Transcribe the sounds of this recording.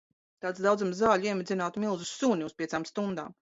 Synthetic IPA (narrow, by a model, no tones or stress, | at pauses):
t̪aːt̪sd̪awd̪zamzaːlʲuiɛmʲɪd̪zʲinaːt̪milˠzusːuɲʲiuspʲiɛsaːmst̪und̪a̰ːm